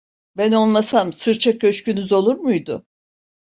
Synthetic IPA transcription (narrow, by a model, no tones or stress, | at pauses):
bæno̞lˠmasamsɯɾt͡ʃʰak̚ɟø̞t͡ʃcynyzo̞lˠuɾmujd̪ʊ